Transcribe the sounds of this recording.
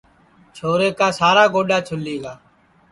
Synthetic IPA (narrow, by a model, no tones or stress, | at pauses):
t͡ʃʰoːɾeːkaːsaːɾaːɡoːɗaːt͡ʃʰʊlːiːɡaː